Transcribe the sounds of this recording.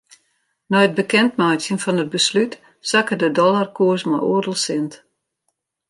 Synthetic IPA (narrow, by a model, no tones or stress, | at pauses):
nɔjət̚bəkɛntmajsjənfɔnəd̚bəslyt | sakədədɔlarkuəsmɔjʔoərdəlˠsɪnt